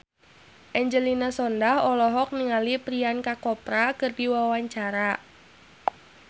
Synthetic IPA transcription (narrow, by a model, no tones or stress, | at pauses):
ʔɛɲd͡ʒəlinasɔndahɔlɔɦɔk̚niŋalipɾiankakɔpɾakərdiwawaɲt͡ʃaɾa